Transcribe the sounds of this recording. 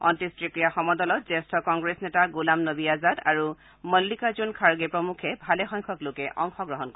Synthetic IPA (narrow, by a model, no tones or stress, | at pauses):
ɔ̰ntistɹikɹijaxɔmɔdɔlɔt̚zɛstʰɔkɔŋɡɹesnɛtaɡulamnobiazada̰ɹu | məlːikazunkʰaɹɡɛpɹɔmukʰɛbʱalɛxɔjŋkʰɔklokɛʔɔ̰ŋxɔɡɹɔɦɔnkɔɹ